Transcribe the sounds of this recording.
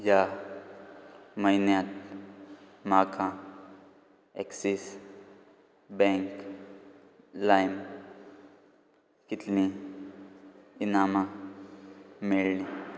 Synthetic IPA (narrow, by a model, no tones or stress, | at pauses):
ja | məjnjat̪̚ | makʰã | eksis | bɛ̃ŋk | lajm | kit̪nĩ | inamã | meɭni